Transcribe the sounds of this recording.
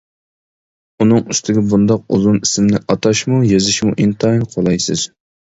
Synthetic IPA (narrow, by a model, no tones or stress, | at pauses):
unɨŋyst̪ʰɪɡʲɛbund̪ɑq̚ṵzunisɪmnɪʔɑt̪ʰɑʃmujezɪʃmuʔint̪ʰɑjnqʰolˠɑjsɨz̥